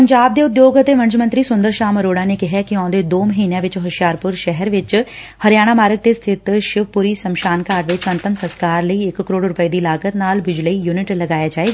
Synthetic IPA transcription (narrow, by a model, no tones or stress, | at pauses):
pəɲd͡ʒaːb̚d̪eːʊd̪joːɡət̪eːʋə̃nt͡ʃmə̃nt̪ɾiːsʊnd̪əɾʃaːməɾoːɽaːneːkɪɦakiɔ̃ːd̪eːd̪oːməɦiːnjãʋɪt͡ʃɦəʃjaːɾpʊɾʃɛɦɛɾʋɪt͡ʃhəɾjaːɽ̃aːmaːɾək̚d̪eːst̪ʰɪt̪ʃɪʋpuːɾiːsəmʃaːnkaːɾʋɪt͡ʃənt̪əmsəskaːɾləiːɪkkːəɾoːɽɾʊpəed̪iːɪlaːkət̪naːlʋɪd͡ʒləiːjuːnɪʈləɡaːjaːd͡ʒaːeːɡ